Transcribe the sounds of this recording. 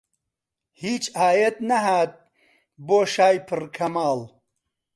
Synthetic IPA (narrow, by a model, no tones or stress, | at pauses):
hiːt͡ʃaːjet̪̚nɐɦaːt̪̚ | boːʃaːjpʰɨɾkʰɐmaːl